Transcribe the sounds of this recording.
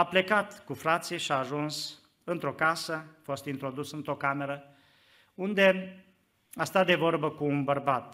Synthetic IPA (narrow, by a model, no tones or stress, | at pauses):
aple̞kat̪kufɾat̪sijeʃiaːʒuns | ɨnt̪ɾo̞kasəafo̞st̪int̪ɾo̞d̪usɨnt̪ɾo̞kame̞ɾə | und̪e̞ | ast̪at̪d̪e̞vo̞rbəkuːnbərbat̪̚